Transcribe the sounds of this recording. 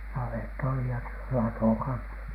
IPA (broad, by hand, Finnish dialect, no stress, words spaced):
nɑʋetː oli jɑ s lɑtoˑ kɑnsɑ